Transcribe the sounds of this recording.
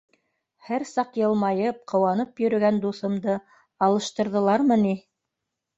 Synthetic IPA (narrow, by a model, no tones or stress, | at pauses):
hæɾsɑqjɤ̆lˠmɑjɤp̚qɤ̆wɑnɤpjɵ̆ɾɵ̆ɡænd̪uθɤ̆md̪ɤ | ɑlˠɤ̆ʃt̪ɤ̆ɾðɤ̆lˠɑɾmɤni